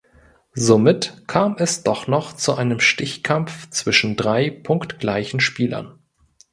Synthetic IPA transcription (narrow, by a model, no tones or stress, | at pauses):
zomɪtkʰaːmɛsd̥ɔχnɔχt͡suʔaɪnəmʃtɪçkʰamft͡sv̥ɪʃn̩dʁaɪpʰʊŋktɡ̥laɪçn̩ʃpiːlɐ̰n